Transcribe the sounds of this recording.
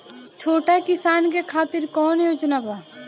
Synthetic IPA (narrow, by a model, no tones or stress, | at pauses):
t͡ʃʰoːʈakɪsaːnkekʰaːt̪ɪɾkɔːnjoːd͡ʒnabaː